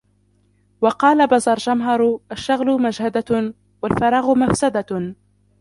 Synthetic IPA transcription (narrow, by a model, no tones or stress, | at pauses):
wɑqɑːlabazˤɑɾˤd͡ʒamɦɑɾˤʔaʃːaɣlʊmad͡ʒhad̪a | walfɑɾˤɑːɣʊmafsad̪a